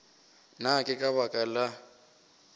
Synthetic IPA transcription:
nakʼɪkʼaβakʼala

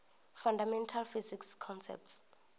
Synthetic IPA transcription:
fɔndamɛ̃ntʰalfizikskʰɔnsɛ̰p̚ts

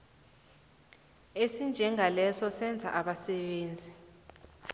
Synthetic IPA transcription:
esind͡ʒʱɛŋʱalɛsɔsɛnd͡zʱa̰ʔaɓasɛɓeːnd͡zʱi

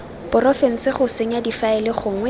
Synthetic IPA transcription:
pʊrɔfɛn̩sɪχʊseŋ̩adifaɪlɪχʊːŋwɛ

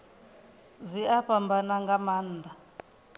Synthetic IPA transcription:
zʷiaɸambanaŋɡamaːnːd̪a

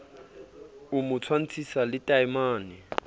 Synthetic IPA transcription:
ʊmʊt͡sʰwan̩t͡sʰisalɪtʼaimaːnɪ

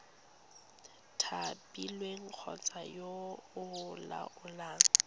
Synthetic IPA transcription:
tʰapʼilweŋ̩k͡xʰɔ̰t͡sʼajoʊla̰ʔʊlaːŋ̩

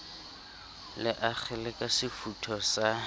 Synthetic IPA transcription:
lɪʔak͡xʰɛlɪkʼasɪfutʰɔsa

